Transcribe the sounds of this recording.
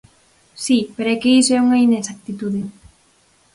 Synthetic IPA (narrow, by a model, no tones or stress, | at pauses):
sipeɾoɛkeisɛuŋainesak̚t̪it̪uðe